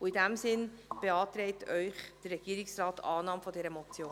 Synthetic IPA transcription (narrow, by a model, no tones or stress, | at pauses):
ʊɪdæmsɪnb̥eɑːt̪ɾɛɪtœʏχd̥ərːɛɡ̥iːɾɪksrɑːtɑːnɑːmfɔdɛːɾəmɔt͡sjoː